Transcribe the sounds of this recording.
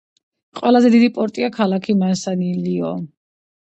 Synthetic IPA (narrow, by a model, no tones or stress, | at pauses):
qʼwɛlˠazɛd̪id̪ipʼɔɾt̪ʼiakʰalˠakʰimansaniliɔ